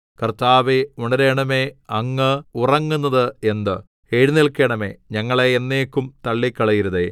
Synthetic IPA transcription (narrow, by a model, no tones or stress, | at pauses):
kɐrt̪aːʋeuɳɐɾeːɳɐme̞ːɐŋːɨurɐŋːunːɐðɨe̞nd̪ɨ | eːɻiniɭkːeːɳɐme̞̰ːɲɐŋːɐɭeːnːeːkʲːumt̪ɐɭːikːɐɭɐjiɾuðeː